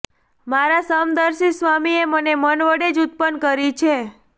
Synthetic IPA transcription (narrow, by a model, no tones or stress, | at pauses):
maɾasəmd̪əɾsisʋamiemənemənʋəɽed͡ʒut̪̚pənkəɾit͡ʃʰe